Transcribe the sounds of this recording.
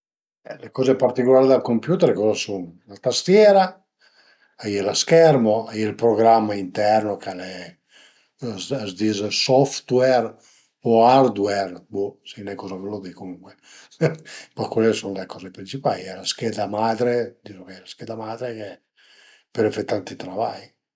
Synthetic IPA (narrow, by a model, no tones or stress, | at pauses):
ɛlekɔːzepart̪ikolaːɾid̪alkompjuːt̪ɛɾkɔːzasuŋlat̪ast̪jɛːɾa | ajɛlaskɛɾmoajielpɾoɡɾamːaint̪ɛrnokale | azd̪izsɔft̪wɛr | oaɾd̪wɛrbusinɛkɔzakelod̪ikomuŋkwe | pakwɛlːesunlekɔːzepɾint͡ʃipaliɛlaskɛd̪amaːd̪ɾed̪isokalaskɛd̪amad̪ɾeke | peɾefɛt̪ːant̪it̪ɾavaj